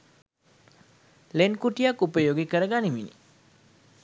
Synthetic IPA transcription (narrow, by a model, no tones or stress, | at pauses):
lenkuʈijakupəjoɡekəɾəɡaniminḭ